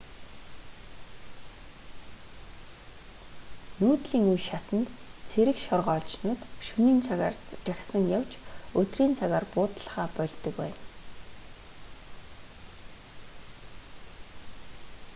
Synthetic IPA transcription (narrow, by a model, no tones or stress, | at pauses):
nuːt̪ɮiːŋujʃat̪ə̆nt̪t͡sʰeɾɘ̆kʃɔrʁɔːɮt͡ɕnʊːt̪ʃuniːnt͡sʰaɣa̰ːrt͡st͡ɕăxʲsə̆ŋjawt͡ɕɵt̪riːnt͡sʰaɣaːrpʊːt̪ə̆ɮ̆χaːpœɮʲt̪ə̆kwæ̰ːn